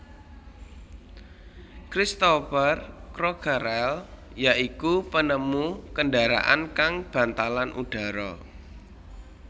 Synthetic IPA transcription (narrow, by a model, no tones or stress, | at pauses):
kɾist̪ofərkɾɔkʰəɾɛljaʔikupənəmukəndaɾa̰ʔa̰nkaŋb̥a̤nt̪alanʔṵɖ̥a̤ɾɔ